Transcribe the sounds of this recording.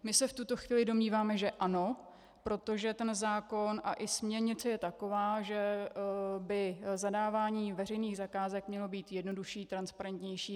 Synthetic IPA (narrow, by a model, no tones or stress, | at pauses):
mɪsɛft̪ut̪o̞xviːlɪdo̞mɲiːvaːmɛʒɛʔano̞ | pɾo̞t̪o̞ʒɛt̪ɛnzaːko̞nʔa̰ʔɪsmɲɛɾɲɪt͡sɛjɛt̪ako̞vaːʒɛ | bɪzadaːvaːɲiːvɛr̝ɛjniːɣzakaːzɛkmɲɛlo̞biːt̪jɛdno̞duʃiːt̪ɾanspaɾɛnt̪ɲɛjʃiː